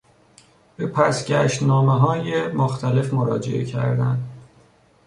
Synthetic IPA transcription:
b̥epʰæsɟæʃt̪nɒːmeɦɒːjemoxt̪ʰæle̞fmoɾɒ̰ːd͡ʒe̞̰ʔḛcʰæ̰ɾd̪æn

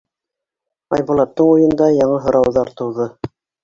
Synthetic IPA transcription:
ɑ̰jbulˠɑt̪ːɤɴujɤ̆nd̪ɑjɑɴɤɦɤ̆ɾɑwðɑɾt̪ɤ̆wðɤ

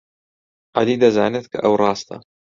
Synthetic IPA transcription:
ʕaliːd̪azaʕnat̪ka̰ʔawɾˤɑːst̪ˤɑ̰

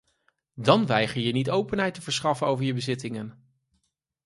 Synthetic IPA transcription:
dɑnʋɛjχəɹjənitowpənɦɛjtəvəɹsχɑfənowvəɹjəbəzɪtɪŋən

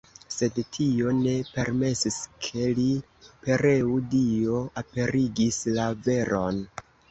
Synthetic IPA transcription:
se̞dtʰio̞ne̞pe̞ɾme̞siskʰe̞li | pe̞ɾeudio̞ape̞ɾiɡislave̞ɾʔo̞n

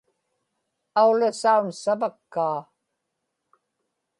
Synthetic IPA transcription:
aulasaunsavakːaː

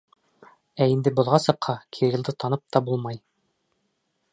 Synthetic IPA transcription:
æind̪ɘbŏlˠʁɑsɤ̆qhɑkʰiɾilˠd̪ɤt̪ɑnɤp̚t̪ɑbulˠmɑj

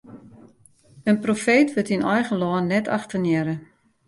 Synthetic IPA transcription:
ənprofeːtʋɪtinʔɔjɣəlɔːnːɛtʰa̰xtənjɛɾə

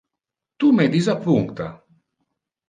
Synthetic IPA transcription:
t̪umɛd̪izapuŋkt̪a̰

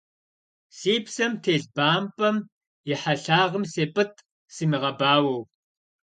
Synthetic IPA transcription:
siːpsɐmtʰeːɮbaːmpʼɐm | jɪħaɬaːʁəmseːpʼɨtʰʼ | siːmiʁɐbaːwɐw

